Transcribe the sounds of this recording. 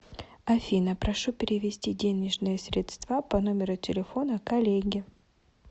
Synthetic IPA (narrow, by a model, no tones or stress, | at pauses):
ɐfʲinəpɾɐʂupʲɪɾʲɪvʲɪsʲtʲidʲenʲɪʐnɨjəsʲɾʲɪt̪st̪vapɐno̞mʲɪɾʊtʲɪlʲɪfo̞nəkɐlʲeɡʲɪ